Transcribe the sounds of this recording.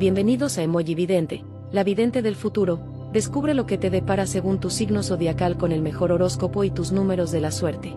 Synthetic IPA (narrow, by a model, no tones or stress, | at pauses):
bje̞mbe̞niðo̞saemoʝiβiðe̞nt̪e̞ | laβiðe̞nt̪e̞ðe̞lfut̪uɾo̞ | ðe̞skuβɾe̞lo̞ke̞t̪e̞ðe̞paɾase̞ɣunt̪usiɣno̞so̞ðjakalko̞ne̞lme̞xo̞ɾo̞ɾo̞sko̞po̞it̪uznũme̞ɾo̞zðe̞laswe̞ɾt̪e̞̥